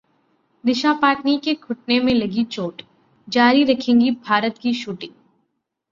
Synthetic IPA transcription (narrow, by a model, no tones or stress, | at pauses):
d̪ɪʃapaːʈnikekʰʊʈ̚nemẽlɐɡit͡ʃoːʈ | d͡ʒaːɾiɾɐkʰẽːŋɡibʱaːɾət̪kiʃuːʈɪ̃ŋ